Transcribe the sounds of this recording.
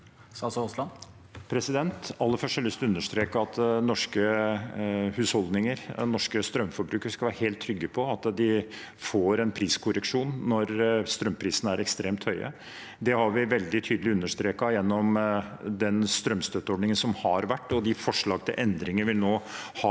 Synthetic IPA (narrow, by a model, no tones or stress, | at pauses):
ɑsɔɔslɑ | pʰɾɛsɪd̪ɛnt̪ɑlːəɾfœʂʈəliːst̪ʉnːəʂt̪ɾeːkəɑt̪nɔʂkə | hʉːshɔld̪nɪŋəɾnɔʂkəst̪ɾœmːfɔɾbɾʉːkəskɑlʋæːɾəheːlt̪ʰːɾʏɡːəpʰɔɑt̪d̪ɪ | foːɾɛnpʰɾiːskʰʊɾəkʂuːnːɔɾst̪ɾœmːpʰɾiːsənəæɾɛkst̪ɾeːmt̪hœʏʔə̰ | d̪ɛhɑɾʋɪʋɛld̪ɪt̪ʰyːd̪əlɪʉnːəʂt̪ɾeːkɑjɛnːɔmd̪ɛnst̪ɾœmst̪øt̪ːəɔɖɳnɪŋənsɔmhɑɾʋæʈːɔd̪ɪfɔʂɭɑːɡ̚t̪ʰɪlʔɛnd̪ɾɪŋəʋɪlnoːhɑ